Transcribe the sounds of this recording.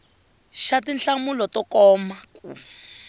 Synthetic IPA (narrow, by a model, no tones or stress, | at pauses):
ʃatinɬamulɔtɔkɔmaku